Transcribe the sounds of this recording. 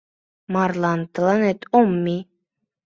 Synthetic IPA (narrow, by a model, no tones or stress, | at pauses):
mɑɾlˠɑnt̪lˠɑnet̪omːi